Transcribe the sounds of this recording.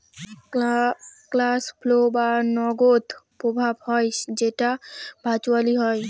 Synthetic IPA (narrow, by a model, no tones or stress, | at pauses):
klaspʰlobanɔɡot̪pɾobʱabhɔjd͡ʒeʈabʱat͡ʃwaliɦɔj